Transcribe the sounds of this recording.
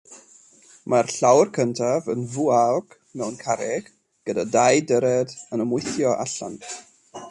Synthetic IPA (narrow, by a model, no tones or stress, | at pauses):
marɬawrkʰəntʰavənvuaɡ̥ | mɛwnkʰaɾɛɡ̥ | ɡ̥ədadajdəɾɛdənəmʊɨθjɔʔa̰ɬa̰nt